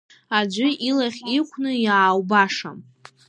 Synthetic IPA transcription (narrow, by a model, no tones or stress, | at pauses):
ad͡ʒʷʊilaχʲikʷʰnɨjaːwbaʂa̰m